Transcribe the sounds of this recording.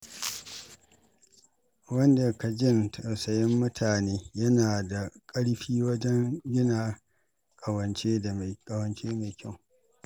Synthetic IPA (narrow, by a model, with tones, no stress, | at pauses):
wɐ˦nda˨ka˨d͡ʒɪ˦˨ntʰɐ˨wsɐ˨jɐ˦mːʊ˦tʰaː˨neː˦jɐ˦naː˨da˨kʼɐ˦ɽɸiː˦wɐ˦d͡ʒɛ˦ŋɡʲɪ˦naː˨ | kʼɐ˨wɐ˨nt͡ʃeː˦a˨kʼɐ˨wɐ˨nt͡ʃeː˦ma˨kʲʰɐ˦˨